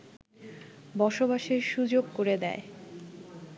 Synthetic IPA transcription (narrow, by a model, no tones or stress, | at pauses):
bɔʃobaʃeɾʃud͡ʑoɡkoɾed̪ɛ̰e